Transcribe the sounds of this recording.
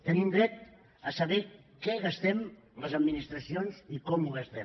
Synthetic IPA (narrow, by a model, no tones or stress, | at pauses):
t̪ənimd̪ɾɛt̪ | əsəβɛ | kɛɣəst̪ɛm | ləzəd̪minist̪ɾəsionzikɔmuɣəst̪ɛ